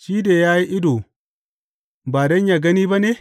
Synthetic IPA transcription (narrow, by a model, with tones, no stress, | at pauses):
ʃiː˦deː˨jaː˦ji˦ʔɪ˦do˨ | baː˨dɐ˦ɲjaː˨ɡɐ˦niː˦ba˦ne˦